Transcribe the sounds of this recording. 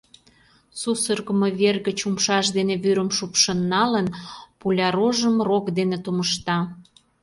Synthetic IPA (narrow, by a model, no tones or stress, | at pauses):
susərɣə̆mɤβerɣət͡ɕumʃɑʃd̪eneβyɾəmʃupʃə̆nːɑlənpulʲɑɾoʒəmrokd̪enet̪uməʃt̪ɑ